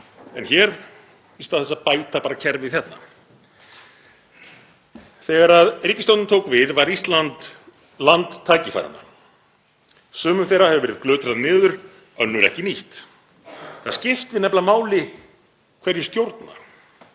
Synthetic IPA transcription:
ɛnçɛːɾ | ist̪awθɛs̬ːaðpaːjt̪apaːɾacʰɛɾvɪðθçjɛt̪na̰ | θɛɣaɾaðriːcɪst̪owt̪nt̪ʰowkvɪðvaɾist̪lant̪ | lant̪ʰːaːjcɪfa̰jɾa̰na̰ | sœːmʏmθejrahɛvʏvɛːɾɪðklœːt̪ɾaðnɪːðʏɾ̥ | œnːʏɾɛ̰hcɪniht̪ | θascɪft̪ɪnɛplamaːwlɪ | kʰvɛɾjʏst̪jowɾt̪na̰

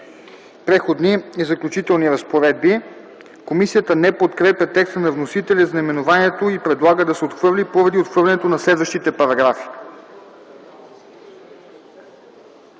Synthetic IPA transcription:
pɾɛxod̪niizɐklʲut͡ʃit̪ɛlˠniɾɐspoɾɛd̪̚bi | komisijət̪ənɛpot̪kɾɛpjɐt̪ɛkst̪ənɐvnosit̪ɛlʲiznɐimɛnovaniɛt̪oipɾɛd̪lˠaɡəd̪ɐsɛot̪xvɤɾlipoɾɐd̪iot̪xvɤɾlʲɛnɛt̪onɐslɛd̪vəʃt̪it̪ɛpɐɾɐɡɾafi̥

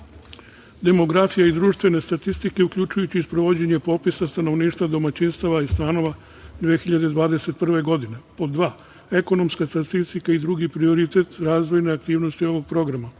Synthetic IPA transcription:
d̪e̞mo̞ɡɾafijaid̪ɾuːʃt̪ʋe̞ne̞st̪at̪ist̪ike̞ukʎut͡ʃujut͡ɕiispɾo̞ʋo̞d͡ʑe̞ɲe̞po̞pisast̪ano̞ʋniːʃt̪ʋad̪o̞mat͡ɕinst̪aʋaist̪aːno̞ʋa | d̪ʋiexiʎad̪e̞d̪ʋaːd̪e̞se̞t̪̚pr̩ʋe̞ɡo̞d̪ine̞po̞d̪ʋa | e̞ko̞no̞mskast̪at̪ist̪ikaid̪ɾuɡipɾio̞ɾit̪e̞t̪ɾaːzʋo̞jneakt̪iːʋno̞st̪io̞ʋo̞ɡ̚pɾo̞ɡɾama

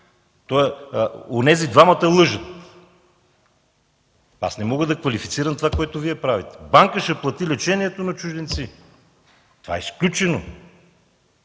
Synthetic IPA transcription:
t̪o | onɛzid̪vamɐt̪ɐlˠɤʒət̪ | a̰snɛmɔɡəd̪ɐkvɐlifi̥t̪siɾɐmt̪ovakoɛt̪oviɛpɾavit̪ɛ̥baŋkəʃɛplˠɐt̪ilɛt͡ʃɛniɛt̪onɐt͡ʃuʒd̪ɛnt̪si | t̪ova̰ɛ̰sklʲut͡ʃɛno̰

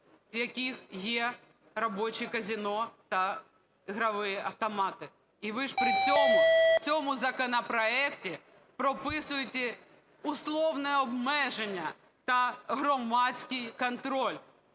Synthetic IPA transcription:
jɐkʲixjɛ | rɔbɔt͡ʃikɐzʲinɔt̪ɐ | ɦɾɐʋɪjɪʔɐwt̪ɔmɑt̪ɪ | iʋɪʒpɾɪt͡sʲɔmʊt͡sʲɔmʊzɐkɔnɐpɾɔɛktʲi | pɾɔpɪsʊjɪt̪ʲɛ | ʊslˠɔwnɛɔbmɛʒenʲːɐ | t̪ɐɦɾɔmɑt͡sʲkʲɪjkɔnt̪ɾɔlʲ

